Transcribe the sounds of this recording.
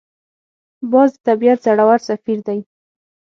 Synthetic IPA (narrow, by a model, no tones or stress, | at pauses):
bɑzd̪ət̪abiat̪zaɽawaɾsafiɾd̪aj